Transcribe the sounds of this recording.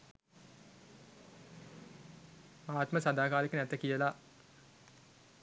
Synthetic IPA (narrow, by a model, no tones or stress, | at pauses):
aːt̪məsad̪aːkaːlikənæt̪əkijəla